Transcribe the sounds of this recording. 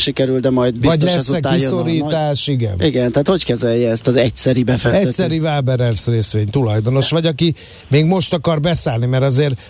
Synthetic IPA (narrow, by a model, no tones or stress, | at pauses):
ʃikɛɾyld̪ɛmɒjd̪bivɒsɟlɛsːɛkːiso̞ɾiːt̪aːʃiɡɛ̰niɡɛnt̪ɛɦaːt̪ho̞ckɛzɛljɛɛst̪ɒzɛc̚sɛɾibɛfɛɛsɛɾivaːbɛɾɛrsreːsʋeːɲt̪ulɒjd̪ono̞ʃʋɒɟɒki | meːɡmo̞ʃt̪ɒkɒrbɛsaːlnimɛɾɒzeːr